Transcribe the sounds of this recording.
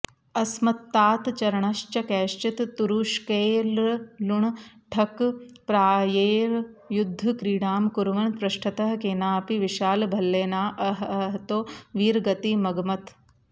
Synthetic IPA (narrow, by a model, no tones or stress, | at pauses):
ɐsmɐt̪ːaːt̪t͡ʃɐɾɐɳɐʃt͡ʃɐkɛːʃt͡ʃit̪ːuɾuːʃkeːlluɳʈʰɐkpɾaːjeːɾjud̪ʱːɐkɾiːɽaːmkuɾʋɐnpɾɐʃʈʰɐt̪ɐɦkeːnaːpiʋiʃaːlbʱɐlːeːnaːʔɐɦɐɦt̪oːʋiːɾɡɐt̪imɐɡɐmɐt̪